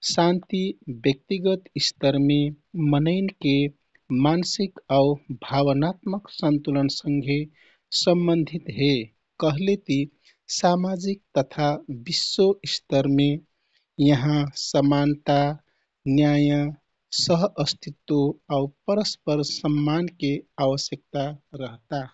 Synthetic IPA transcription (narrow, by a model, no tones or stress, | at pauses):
sant̪ibjək̚t̪iɡət̪ist̪əɾme | mənəɪnke | mansikaubʱawənat̪məksənt̪ulənsəŋɡʱe | səmbənd̪ʱit̪ɦe | kəɦlet̪i | samad͡ʒik̚t̪ət̪ʰabisːoist̪əɾme | jəɦãsəmant̪a | njajə̃ | səɦəst̪ʰit̪ːuaupəɾəspəɾsəmːankeaʋəsjək̚t̪aɾəɦt̪a